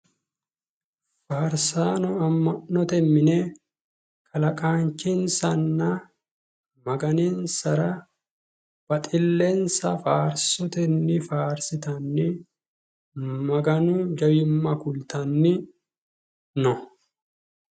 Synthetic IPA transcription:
faːɾsaːnɔɐmːɐnːɔt̪ɛmːɪnɛ | kʰʼɐlɐkʼaːnt͡ʃːɪnsɐnːɐ | mɐɡɐninsɐɾɐ | b̥ɐt̪ʼɪlːɛnsɐfaːɾsɔt̪ɛnːɪfaːɾsɪt̪ɐnːɪ | mɐɡɐnʊd͡ʒɐjʊmːɐkʊlt̪ɐnːɪ | nɔ

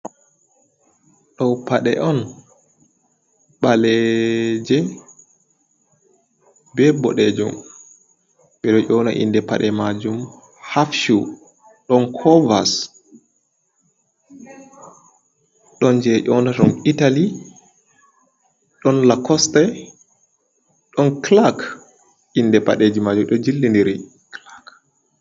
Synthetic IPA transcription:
ɗɔwpaɗɛʔɔn | ɓalɛd͡ʒɛ | bɛbɔɗɛd͡ʒṵm | ɓɛɗɔʔɔːnaʔḭndɛpa̰ɗɛmad͡ʒum | hafʃu | ɗɔnkʰɔvas | ɗɔnd͡ʒɛʔɔnatɔnitali | ɗɔnlakɔstɛ | ɗɔnklak | ʔindɛpa̰ɗeːd͡ʒimad͡ʒumɗɔd͡ʒilːindiɾi | klak

